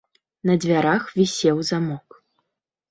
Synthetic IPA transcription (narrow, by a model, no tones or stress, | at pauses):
nɐd͡zʲvʲaɾaxvʲisʲɛwzamɔk